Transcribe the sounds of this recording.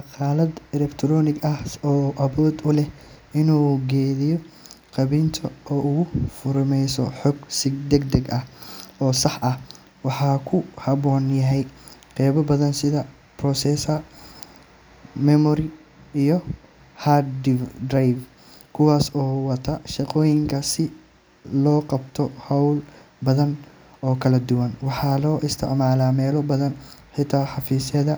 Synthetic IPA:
ʃɑqɑːlɐd̪ɛlɛkt̪ʰɾɔːnɪɡɐhɔːʔɐβɔːd̪ʊlɛh | ɪnuːɡɛːðijɔ | qɑβɪnt̪ʰɔɔːʊɣʊfʊɾʊmɛjsɔ̰ħɔɡsɪɡd̪ɛɡ̚d̪ɛɡʔɐhɔːsɑħʔɐh | wɑħɑːkʰʊhɐβɔːnjɐɦɛjqɛːβɔbɐðɐnsɪðɐ | prɔsɛsɐ | mɛmɔɾɪ | ijɔ | had̪ɪd̪ɾajf | kʰʊwɑːsɔːwɐt̪ʰɐʃɑqɔːjɪŋkʰɐsɪ | lɔːqɑbt̪ʰɔhɔwl | bɐðɐn | ɔːkʰɐlɐd̪ʊwɐnwɑħɑːlɔːʔɪst̪ʰɪ̰ʕmaːlaːmɛːlɔbɐðɐnħɪt̪ʰaːħɑfiːsɛðɐ

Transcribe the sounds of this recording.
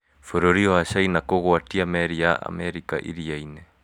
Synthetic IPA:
foɾoɾioasajnakoɣoatiameɾiaʔa̰meɾikaʔḭɾiajne

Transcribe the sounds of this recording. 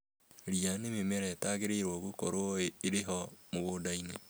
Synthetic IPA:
ɾianememɛɾɛtaɣeɾeɾwɔɣokoɾoeɾeɦɔmoɣoːdaine

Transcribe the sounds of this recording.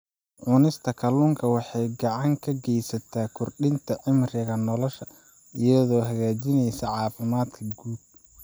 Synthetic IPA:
ʕʊnɪst̪ʰɐkʰɐlʊŋkʰɐwɑħɑjɡɑʕɑŋkʰɐɡɛjsɐt̪ʰaːkʰʊrɖɪnt̪ʰɐʕɪmrɪɣɐnɔlɔʃɐ | ɪjɐðɔːɦɐɣaːt͡ʃɪnɛjsɐʕɑːfɪmaːd̪kʰɐɡuːd̚

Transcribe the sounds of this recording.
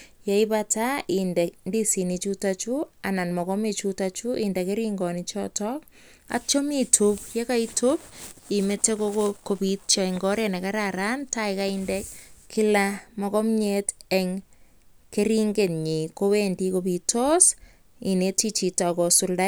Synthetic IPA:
jaibataindɛndisinit͡ʃutat͡ʃuananmɔkɔmit͡ʃutat͡ʃuindɛkeɾiŋɡɔnit͡ʃɔ̰tɔk | a̰t͡ʃomitʰupjekaitʰupimetekokokopitt͡ʃaɛŋɡɔɾenɛkaɾaɾantaɪkaindɛkʰːilamɔkɔmɲetɛŋ | keɾiŋɡetɲikowendikopitɔs | inetit͡ʃitakɔsulda

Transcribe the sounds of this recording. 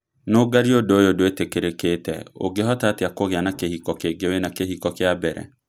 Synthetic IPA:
noɡaɾiodoojodoetekeɾeketɛ̰o̰ɡeɦɔtateakoɣeanakehikɔkeɡewenakeɦikɔkeabɛɾɛ̰

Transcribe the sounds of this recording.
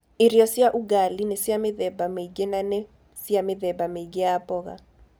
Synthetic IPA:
ɪrijɔsɪaʔuɡalinesɪamɪðɛbameikenane | siamɪðɛbameikeapʼɔka̰

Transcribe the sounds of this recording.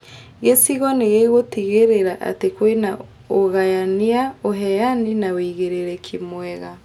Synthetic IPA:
ɣesiɣɔneɣeɣotiɣeɾeɾaʔa̰tekwena | oɣajaniaoɦɛjaninaweiɣeɾeɾɛkʰimwɛɣa

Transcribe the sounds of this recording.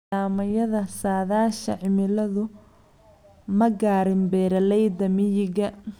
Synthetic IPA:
aːmɐjɐðɐsaːðaːʃɐ̰ʕɪmɪlɐðʊ | mɐɡaːɾɪmbɛːɾɐlɛjd̪ɐmɪjɪɣɐ

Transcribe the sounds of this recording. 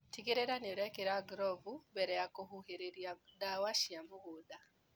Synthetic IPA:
tikeɾeɾanioɾɛkeɾaɡɾɔvubɛɾɛjakoɦuheɾeɾiadawaʃiamuɡuda

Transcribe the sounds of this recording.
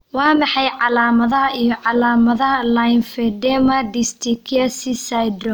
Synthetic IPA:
wɑːmɑħɑjʕɑlaːmɐðɐɦɐʔijɞʕɑlaːmɐðɐɦɐlajnfɛdɛmɐd̪ɪst̪ʰɪkʰɐsɪsajd̪ɾɔ

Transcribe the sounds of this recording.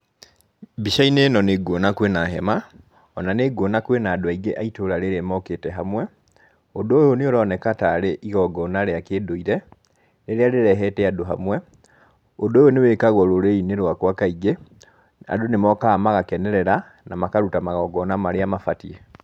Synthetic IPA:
biʃainenɔneɡwonakwenaɦɛma | ɔnaneɡwonakwenaːdoaiɡeʔaitoɾaɾeɾemɔketɛɦamwɛ | odoːjoneoɾɔnɛkataɾeʔiɣɔɡɔnaɾeakeːdoiɾɛ | neɾeaɾeɾɛɦɛtɛadoɦa̰mwɛ | odoːjonewekaɣwɔɾoɾeineɾwakwakaiɡe | a̰donemɔkamaɣakɛnɛɾɛɾa | namakaɾutamaɣɔɡɔnamaɾeamafatie

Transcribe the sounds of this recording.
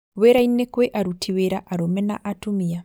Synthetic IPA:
weɾainːɛkwɛʔaɾutiweɾaʔaɾɔmɛna̰ʔatumia

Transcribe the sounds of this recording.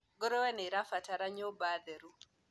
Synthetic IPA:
ɡɔɾɔwɛneɾafataɾaɲobad̪ɛɾu

